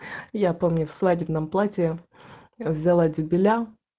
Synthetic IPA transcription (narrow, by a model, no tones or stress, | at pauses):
japomnʲʊfsvadʲɪbnəmplˠatʲɪ | vzʲɪlˠadʲʊbʲɪlʲa